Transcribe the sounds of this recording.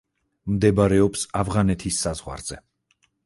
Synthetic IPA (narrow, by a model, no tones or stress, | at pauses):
md̪ɛbɾɛɔpsavʁanɛt̪ʰisːazʁwa̰ɾz̥ɛ